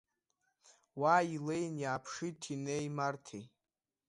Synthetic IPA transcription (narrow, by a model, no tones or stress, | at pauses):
waːilejnjaːpʰʂitʰinejmartʰḛ